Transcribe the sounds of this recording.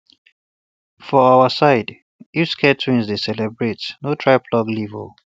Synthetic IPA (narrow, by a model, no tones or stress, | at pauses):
fɔaʊəsaɪd | uskʰɛtʰĩnzdesɛlɛbɹetnotʰɹaɪpʰlɔɡlivə̰l